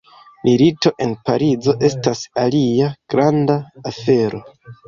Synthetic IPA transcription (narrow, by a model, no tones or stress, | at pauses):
milito̞ʔe̞npaɾizo̞ʔe̞stasaliaɡ̥ɾandaːfe̞ɾo̞